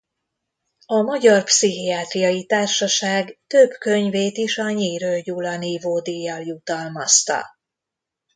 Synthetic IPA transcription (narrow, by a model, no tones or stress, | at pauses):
ɒmɒɟɒrpsiɦiaːt̪rijɒjit̪aːrʃɒʃaːɡt̪øbkø̞ɲveːt̪iʃɒɲiːɾøːjulɒnivoːd̪ijːɒljut̪ɒlmɒst̪ɒ̰